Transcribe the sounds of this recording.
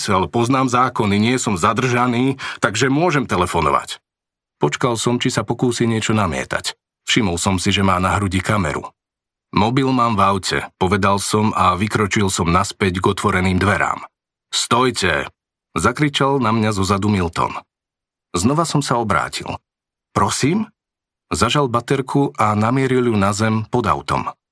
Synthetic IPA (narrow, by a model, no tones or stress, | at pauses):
sɛlpɔznaːmzaːkɔniɲɪɛsɔmzad̪r̩ʒaniːt̪aɡʒɛmʊɔʒɛmt̪ɛlɛfɔnɔ̰ʋa̰c | pɔt͡ʃkalsɔmt͡ʃisapɔkuːsiːɲɪɛt͡ʃɔnamɪɛ̰t̪a̰c | fʃimɔlsɔmsiʒɛmaːnaɦɾuɟikamɛ̰ɾṵ | mɔbilmaːmvaʊcɛ̰pɔʋɛd̪alsɔmaʋikɾɔt͡ʃilˠsɔmnaspɛɟɡɔt̪ʋɔɾɛniːmd̪ʋɛɾa̰ːm | st̪ɔjcʰɛ | zakɾit͡ʃalnamɲazɔzad̪umilt̪ɔ̰n | znɔʋasɔmsaɔbɾa̰ːcḭl | pɾɔsiːm | zaʒalbat̪ɛɾkʰuʔanamɪɛɾiljunazɛmpɔd̪a̰ʊt̪ɔ̰m